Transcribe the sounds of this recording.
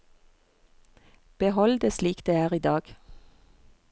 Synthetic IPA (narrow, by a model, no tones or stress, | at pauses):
b̥əhɔld̪eːsliːkd̪̥eːæːʁiːd̪ɑːɡ̥